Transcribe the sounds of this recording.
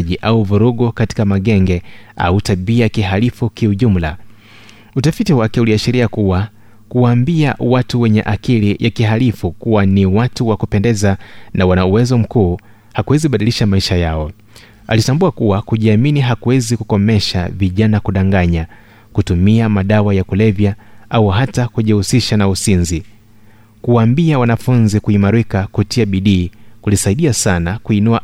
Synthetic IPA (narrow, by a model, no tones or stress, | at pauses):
ʄiʔauvuɾuɠɔkati̥kamaɠɛŋɡɛa̰utaɓiakiɦalifukiuʄum̩la | utafitiwakɛuliaʃiɾiakuwa | kuwaːmbia̰watuwɛɲɛ̰ʔakilijʔakihalifukuwaniwatuwakupɛndɛzanawanauwɛzɔm̩kuː | hakuwɛzikuɓaɗiliʃamaiʃajaɔ | a̰litambuakuwakuʄiaminiɦakuwɛzikukɔmɛʃa̰viʄanakuɗaŋɡaɲa | kutumiamaɗawajakulɛvjaauɦatakuʄɛhusiʃanausinzi | kuwambiawanafunzikuimaɾikakutiaɓiɗiːkulisaiɗiasanakuinua